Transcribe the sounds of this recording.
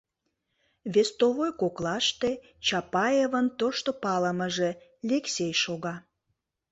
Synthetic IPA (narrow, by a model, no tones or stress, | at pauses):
βest̪oβojkoklɑʃt̪e | t͡ɕɑpɑjevənt̪oʃt̪opɑləməʒe̽lʲeksʲejʃoɣɑ